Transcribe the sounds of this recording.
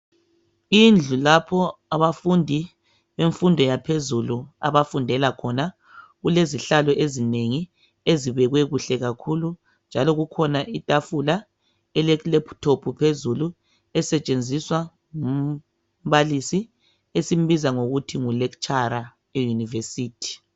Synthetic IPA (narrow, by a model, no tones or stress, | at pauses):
ind͡ɮʱulapʰɔaβafundʱi | βeɱfundʱɔjapʰezulua̰βafundʱɛlakʰɔna | ɣuleziɬalɔʔezineŋi | eziβɛɣwɛɣuɬɛɣakʰulu | nd͡ʒʱalɔɣukʰɔnaʔitʼafula | ɛlɛklɛptʰopʰupʰezulu | ɛsɛt͡ʃʼend͡zʱiswa | ŋum | βalisi | esim̩βizaŋoɣutʰiŋulɛkt͡ʃʼaɾa | ejunivesiːtʰi̥